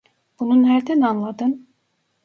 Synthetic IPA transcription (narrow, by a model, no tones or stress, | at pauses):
b̥ununɦæɾd̪ænanlˠad̪ɯn